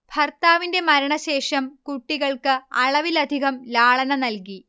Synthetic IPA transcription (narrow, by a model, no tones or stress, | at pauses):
bʱɐrt̪aːʋinde̞mɐɾɐɳɐɕe̞ːʂɐmkuʈːiɣɐɭkɨɐ̰ɭɐʋilɐd̪ʱiɣɐmlaːɭɐnɐnɐlki